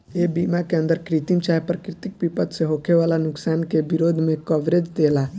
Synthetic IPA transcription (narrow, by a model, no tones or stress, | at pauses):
ebiːmakeə̃nd̪əɾkɾit̪imt͡ʃajpɾəkɾɪt̪ik̚pipət̪seɦokʰeʋalanʊksaːnkeʋiɾoːd̪ʱmẽkəʋɾed͡ʒd̪ela